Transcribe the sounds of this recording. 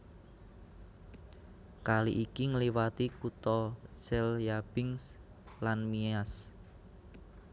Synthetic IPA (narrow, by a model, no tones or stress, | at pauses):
kaliʔikiŋəliwat̪ikut̪ɔsɛljab̥ɪŋs | lanmias